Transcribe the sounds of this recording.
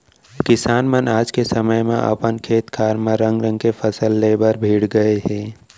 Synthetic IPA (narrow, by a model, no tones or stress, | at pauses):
kɪsaːnmənaːd͡ʒkesəməjmḛ̃ʔə̰pənkʰeːt̪kʰaːɾmẽɾə̃ŋɡɾə̃ŋɡkepʰəsəlːeːbəɾbʱiːɽɡəeɦɛ̃ː